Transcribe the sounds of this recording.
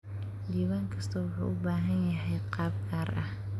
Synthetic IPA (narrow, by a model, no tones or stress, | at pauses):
diːβaːŋkʰɐst̪ʰɐwʊħṵʔʊbaːɦɐnjɐɦɛjqɑːbkʰaːrʔɐh